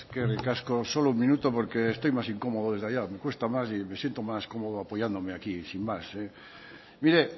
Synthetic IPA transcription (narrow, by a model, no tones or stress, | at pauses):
kerekaskosoloummĩnut̪opoɾkeːst̪ojmasiŋkomoðoðezðaʎamekwest̪amas̬imesjent̪omaskomoð̞oapojand̪omeakisimmase | miɾe